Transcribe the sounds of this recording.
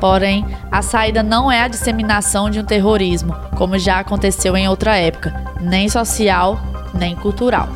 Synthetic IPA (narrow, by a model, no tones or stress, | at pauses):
poɾẽj̃ɐsaid̪ɐnɐ̃w̃ɛɐd͡ʒisemĩnasɐ̃w̃d͡ʒɪũt̪eɦoɾizmʊkõmʊʒaakõt̪esewẽj̃owt̪ɾɐɛpʊ̥kɐnẽj̃sɔsiawnẽj̃kuwt̪uɾa̰w